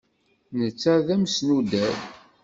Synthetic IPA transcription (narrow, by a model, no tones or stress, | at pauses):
nət͡sːæðæmsnud̪æɾ